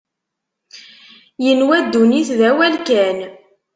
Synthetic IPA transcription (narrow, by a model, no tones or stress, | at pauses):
jənwæd̪ːuniθðæwælkæn